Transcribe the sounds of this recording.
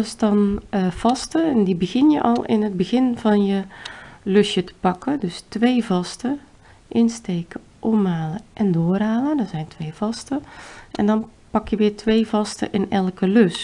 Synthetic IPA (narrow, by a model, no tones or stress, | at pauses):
əsdɔnv̥ɑstəɛndibəɣɪnjəʔɔ̰lˠɪ̰nɦəd̚bəɣɪnv̥ɑnjəløsjətə̥pɑkədøstʋeːvɑstə | ʔɪnsteːkə | ʔɔmaːləʔɛndoːraːlədɔɹzɛjntʋeːv̥ɑstəʔɛ̰ndɔnpɑkjəʋɪːɹtʰʋeːvɑstə̰ʔɪnɛlˠkəløs